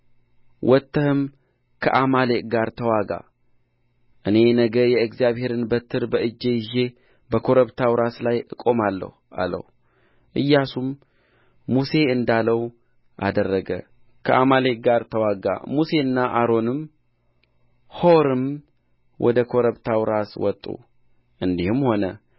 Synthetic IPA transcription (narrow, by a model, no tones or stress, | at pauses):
wʔɔt̪ːəhɨm | kʰə̰ʔamaleʔʼɡaɾt̪ʰəwaɡa̰ | ʔɨne̞nəɡəjɛɨkzijaβhe̞ɾɨnbət̪ʰːɨɾbəɨd͡ʒːe̞jɪʒe̞ | bəkʰo̞ɾəβt̪ʰawɾaslajɨkʼo̞malːə̰h | a̰lə̰h | ʔɨjːasumː | use̞ɨnd̪aləw | ʔa̰d̪ərːəɡə̰ | kʰəʔamale̞ɡaɾt̪ʰəwaɡa̰muse̞ɨnːaʔaɾo̞nɨm | hoɾɨm | wʔɔ̰d̪əkʰo̞ɾəβt̪ʰawɾaswɔt̪ʼːṵ | ʔɨnd̪ihɨmho̞nə